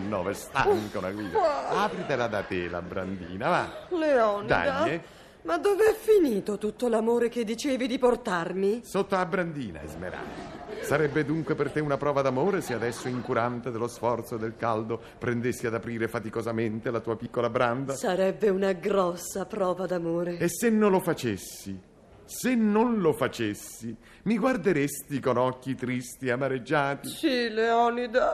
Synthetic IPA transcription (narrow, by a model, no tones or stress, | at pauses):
nːɔ̰ːvest̪a̰ŋkaunaɡɾiːd̪aːpɾit̪elad̪at̪ela̰bɾa̰nd̪ḭːnavaleɔːnd̪ia̰jae | mad̪ːoːveɛfːiniːt̪ot̪ut̪ːolamoːɾek̟ed̪ːit͡ʃeːvid̪iport̪armisot̪ːolabɾand̪iːna̰ɛ̰zmḛɾa̰lasaɾɛbːed̪uŋkwepert̪eunapɾɔːvad̪amoːɾesead̪ɛsːoiŋkuɾant̪ed̪elosfɔrt̪sod̪elkald̪o | pɾend̪esːiad̪apɾiːɾefat̪ikozament̪elat̪uːapikːolabɾand̪asaɾɛbːeunaɡɾɔsːapɾɔːvad̪amoːɾeesːenːolofat͡ʃesːi | senːonlofat͡ʃesːi | miɡward̪eɾest̪ikonɔkːit̪ɾist̪iamːaɾed͡ʒːaːt̪isileɔnid̪a